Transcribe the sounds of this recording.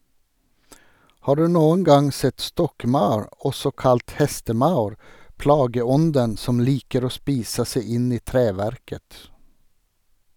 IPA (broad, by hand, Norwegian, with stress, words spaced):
ˈhɑː ˈɖʉː ˈnuːən ˈɡɑŋ ˈsɛt ˈstɔkˌmɑʉɹ ˈɔsɔ ˈkɑlt ˈhɛstəˌmɑʉɹ ˈpɽɑːɡəˌɔndən ˈsɔm ˈliːkəɾ ˈoː ˈspiːsə ˈsæɪ ˈɪn ˈiː ˈtɾeːʋæɾkət